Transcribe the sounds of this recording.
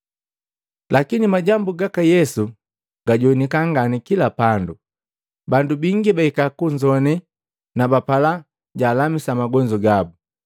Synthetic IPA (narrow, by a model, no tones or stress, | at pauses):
lʔakinimaɟambuɡakajɛsu | ɡ̥aɟɔnikaŋɡanikilapandu | bandubiŋɡibaikakuɲd͡ʒɔnɛ | nabapala | ɟaːlamisamaɡɔɲd͡ʒɔɡabu